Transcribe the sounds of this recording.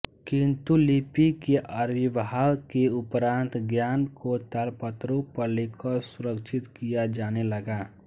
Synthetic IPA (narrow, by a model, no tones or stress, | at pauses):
kĩnt̪ulipikeʔəɾʋiʋɦalkeʊpɾãːnt̪ɡjaːnkot̪alpət̪ɾopəɾlekʰəsʊɾəkt͡ʃʰɪt̪kijad͡ʒaːneləɡaː